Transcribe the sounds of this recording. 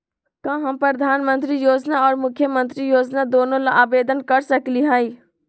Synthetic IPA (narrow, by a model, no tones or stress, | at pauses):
kãɦɐmpɾəd̪ʱaːnmə̃nt̪ɾijoːd͡ʒnaɔːɾmʊkʰːjəmə̃nt̪ɾijoːd͡ʒnad̪oːnõlaʔaːbeːd̪ənkəɾsəkliɦɛi